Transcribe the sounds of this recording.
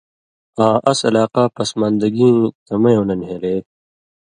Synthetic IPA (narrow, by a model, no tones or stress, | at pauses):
ãːʔɐsɐlaːqaːpɐsmaːnd̪ɐɡĩːt̪ɐmɐjõːnɐnɦeleː